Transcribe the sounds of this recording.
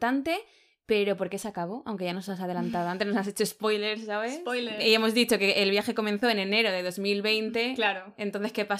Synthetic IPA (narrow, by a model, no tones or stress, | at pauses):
t̪ant̪e̞ | pe̞ɾo̞po̞ɾke̞sakaβ̞o̞awŋke̞ʝanosas̬að̞elant̪aðant̪e̞znosase̞t͡ʃo̞espo̞jleɾsːaβesojleie̞mo̞zðit͡ʃo̞ke̞ʔːlβ̞jaxe̞ko̞mẽn̟θo̞ene̞ne̞ɾo̞ðe̞ðo̞zmilβe̞jnt̪e̞klaɾoent̪on̟θe̞skepa